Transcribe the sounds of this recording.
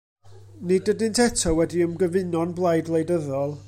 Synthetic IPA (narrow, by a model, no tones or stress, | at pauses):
nidədɪntʰɛtʰɔwɛdiəmɡəvɪnɔnblˠajdlˠejdəðɔlˠ